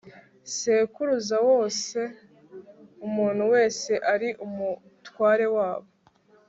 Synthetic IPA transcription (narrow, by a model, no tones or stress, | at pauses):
seːkuɾuzawo̞ːse̞ | umuːn̥huwe̞ːse̞ʔaɾiʔumu | twaːɾe̞waːβo̞